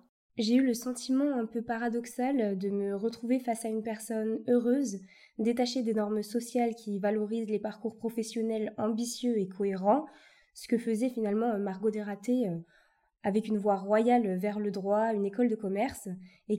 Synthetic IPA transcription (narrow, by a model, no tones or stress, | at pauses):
ʒeyləsɑ̃t̪imɑ̃ɛ̃pøpaʁad̪ɔksald̪əməʁət̪χuvefasaynpɛʁsɔnøʁøz | d̪et̪aʃed̪enɔʁmsɔsjalkʲʰivalɔʁizlepaʁkuʁpχɔfɛsjɔnɛlɑ̃bisjøekʰɔeʁɑ̃ | sə̥kəfəzɛfinalmɑ̃maʁɡod̪eʁat̪eø | avɛkynvwaʁwajaløvɛʁləd̪ʁwaynekɔld̪əkɔmɛʁs | e